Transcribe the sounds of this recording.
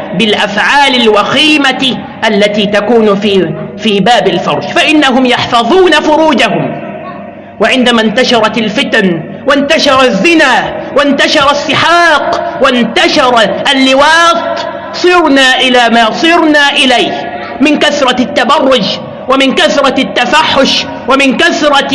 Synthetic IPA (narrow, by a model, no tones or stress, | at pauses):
bɪlʔafʕaːlalwaxiːma | ʔalːat̪iːt̪akuːnfifiːbaːbɪlfɑ̰ɾˤʃfaʔɪnːaɦʊmjɑħfɑðˤuːnafʊɾuːd͡ʒaɦʊm | waʕɪnd̪amaːnt̪aʃɑɾˤɑt̪alfɪt̪an | want̪aʃɑɾˤɑzːɪnaːwant̪aʃɑɾˤɑsːɪħɑːqwant̪aʃɑɾˤʔalːɪwɑːt̪ˤ | sˤɨɾnaːʔɪlaːmaːsˤɨɾnaːʔɪlajh | mɪnkaθɾˤɑt̪ːabɑrˤːʊd͡ʒ | wamɪnkaθɾˤɑt̪ːafaħːʊʃ | wamɪnkaθɾˤɑ